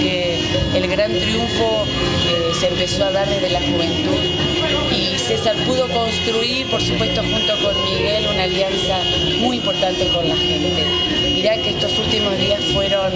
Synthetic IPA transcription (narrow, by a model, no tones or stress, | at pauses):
keː | lɣɾant̪ɾjuɱfo̞ | e | seempe̞soað̞aɾðeðelaxuβ̞e̞nt̪uð | i | se̞saɾpuð̞o̞ko̞nst̪ɾuiɾpo̞ɾsupwe̞st̪o̞xunt̪o̞ko̞nmiɣe̞lunaːljansa | mujimpo̞ɾt̪ant̪e̞ko̞nlaxe | e | miɾakeest̪o̞sult̪imo̞zðiasfwe̞ɾo̞n